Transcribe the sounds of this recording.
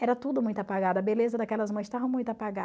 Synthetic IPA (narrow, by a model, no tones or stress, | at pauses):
ɛɾɐt̪ud̪ʊmũj̃t̪ʊapaɡad̪ɐbelezɐd̪akɛlɐzmɐ̃j̃st̪avɐ̃w̃mũj̃t̪ʊapaɡa